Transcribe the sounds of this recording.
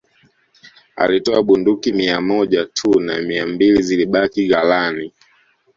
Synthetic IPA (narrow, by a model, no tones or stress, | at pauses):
a̰litɔaɓundukimiamɔʄatʰuna̰miambiliziliɓakiɣalani